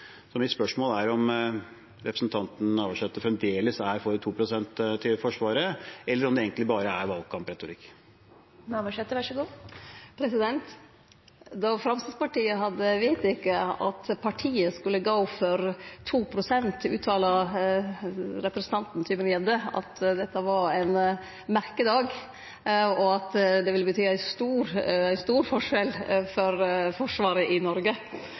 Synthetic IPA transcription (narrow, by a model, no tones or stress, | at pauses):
sɔmɪspœʂmoːlæɾɔm | ɾɛpɾəsnt̪ʰɑnt̪n̩ɑːʋəʂɛt̪ːəfɾɛmd̪eːləsæɾfɔɾt̪ʰuːpʰɾʊsɛnt̪t̪ʰːɪfɔʂʋɑːɾəɛlːəɾɔmd̪ɛeːŋk̪lɪbɑːɾəæɾʋɑlɡ̚kʰɑmpɾɛt̪ʊɾɪkː | nɑːʋɑʂɛt̪ːəʋæʂɔɡuːpʰɾɛsɪd̪ɛnt̪ | d̪ɑfɾɑmst̪əspɑʈiːəɦɑd̪əʋeɪt̪ɪkːəɑ̰t̪pʰɑʈʰiːəskʉlːəɡoːfɔɾt̪ʰuːpʰɾʊsɛnt̪ʉ̰ːt̪ʰɑːlɑ | ɾɛpɾɛsən̩t̪ʰɑnt̪n̩t̪ʰyːmənjɛd̪əɑ̰t̪d̪ɛt̪ːəʋɑɾæɪn | mæɾkəd̪ɑːɡ | ɔɑt̪d̪ɛʋɪləbət̪ʰyːæɪst̪uːɾæɪst̪uːɾfɔʂɛlfɔɾfɔʂʋɑːɾəʔɪnɔɾɡə